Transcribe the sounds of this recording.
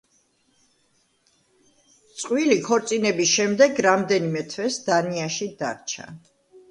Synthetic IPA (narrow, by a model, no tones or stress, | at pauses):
t̪sʼqʼwilikʰɔɾt̪sʼinɛbisʃɛmd̪ɛɡɾamd̪ɛnimɛt̪ʰvɛsd̪̥aniaʃid̪a̰ɾt͡ʃʰa̰